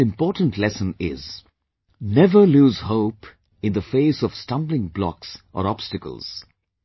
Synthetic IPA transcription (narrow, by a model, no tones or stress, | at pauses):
ɪ̃mpɔːʈə̃n̩tʰlɛsə̃nɪ̰z | nɛvə˞luːzhoʊp | ɨ̃nd̪əfeɪsɔv̥stʌ̃mblɪ̃ŋblɔ̰ksʔə̰ɾɑb̥stɨkə̰l̩ˠz̥